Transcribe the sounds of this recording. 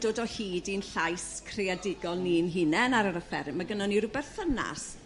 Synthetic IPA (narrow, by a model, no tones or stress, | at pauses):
doːdɔhiːdinɬajskʰrejadɪɡɔlˠninɦɪnɛnaɾəɾəfɛɾmaɡənaniɾʊbɛrθəna̰s